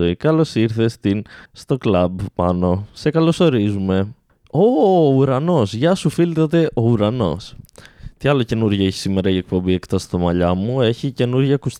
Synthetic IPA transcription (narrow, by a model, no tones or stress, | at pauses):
oikɐlo̞siɾθe̞st̪inst̪o̞klɐbpɐno̞se̞kɐlo̞so̞ɾizume̞ | ouɾɐno̞sʝɐsufilt̪ɐt̪e̞ʔo̞uɾɐno̞̰st̪iɐlo̞ce̞nuɾʝɐeçi̥sime̞ɾɐie̞k̚po̞mbie̞kt̪ost̪ɐmɐʎɐmue̞çice̞nuɾʝɐkus